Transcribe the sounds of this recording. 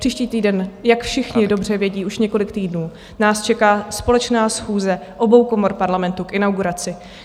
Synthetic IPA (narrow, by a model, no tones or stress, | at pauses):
r̥iːʃciːt̪iːdɛnjakfʃɪxɲɪdo̞br̝ɛvjɛɟiːʔuʃɲɛko̞lɪkt̪iːdnuː | naːst͡ʃɛkaːspo̞lɛt͡ʃnaːsxuːzɛʔo̞bo̞wkomo̞ɾpaɾlamɛnt̪ukʔɪnawɡuɾat͡sɪ